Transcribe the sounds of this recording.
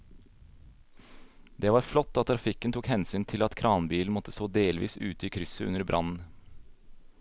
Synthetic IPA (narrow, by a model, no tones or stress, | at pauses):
d̪ɛːʋɑːɾflɔt̪ːɑt̪̚t̪ːʰɾɑfɪkːənt̪ʰuːkhɛnsyːnt̪ʰɪlɑt̪kʰɾɑːnbiːln̩mɔt̪ːə̥soːd̪eːlʋḭːsʉːt̪əiːkʰɾʏsəʉ̰nəɾbɾʔɑ̰nn̩